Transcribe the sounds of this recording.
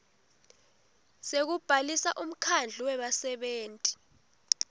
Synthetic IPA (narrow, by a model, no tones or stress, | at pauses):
sek̬ub̥ʱalisaʔum̩kʰand͡ɮʱiwɛɓasɛɓeːntʼi̥